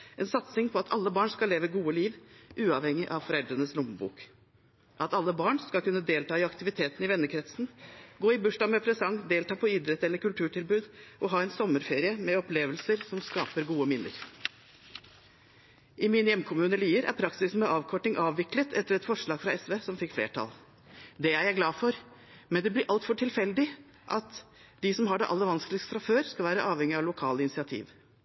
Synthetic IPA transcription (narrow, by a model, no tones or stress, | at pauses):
ʔɛnsɑt̪sɪŋpʰɔɑt̪ʰɑ̰lːəbɑːɳskɑlːeːʋəɡuːəliːʋʔʉːɑʋhɛŋːɪʔɑʋfɔɾɛld̪ɾənəslʊmbṵːk | ʔɑt̪ɑlːəbɑːɳskɑlkʉnːəd̪eːlt̪ɑːɪɑkt̪ɪʋɪt̪ʰeːt̪n̩ɪʋɛnːəkʰɾɛt̪sn̩ɡoːɪbʉʂʈɑmɛpʰɾɛsɑŋd̪eːlt̪ɑːpʰɔɪd̪ɾɛt̪ɛlːəɾkʉlt̪ʰʉːʈɪlbʉːd̪ʔɔɦɑːɛnsɔmːəɾfeːɾɪəmɛɔpleːʋəlsəɾsɔmskɑːpəɾɡuːəmɪnːə̰ɾ | ʔɪmɪnjɛmkʰʊmʉːnəliːəɾʔæ̰ɾpʰɾɑksɪsnmɛʔɑːʋkʰɔʈːɪŋʔɑːʋʋɪklət̪ʰɛt̪ːəɾɛt̪fɔʂɭɑːɡfɾɑɛsʋesɔmfɪkːflḛːʈʰɑ̰l | d̪ɛæɾjæɪɡlɑːfɔɾ | mɛnd̪ɛblɪɾʔɑlt̪fɔʈʰɪlfɛld̪ɪ | ʔɑt̪ | d̪ɪsɔmɦɑɖɛ̰ʔɑ̰lːəʋɑnsklɪkst̪fɾɑføːɾskɑlʋæːɾəʔɑːʋhɛŋɪɑʋlʊkʰɑːləɪnɪsɪɑt̪ʰḭːʋ